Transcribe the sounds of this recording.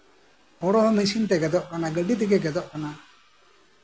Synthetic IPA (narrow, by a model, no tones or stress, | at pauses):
ɔɽɔmesint̪ɛɡɛd̪ɔʔkanaɡəɖit̪̬iɡɛɡɛd̪ɔʔkana